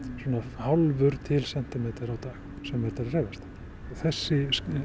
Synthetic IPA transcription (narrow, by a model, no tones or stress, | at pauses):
swɔːnahawlvʏɾ̥t̪ʰɪlsɛn̥t̪ɪmɛːt̪ɪɾawt̪aːx | sɛmːɛɾt̪aɾrejvast̪ḁ | ɔɣθɛsːɪ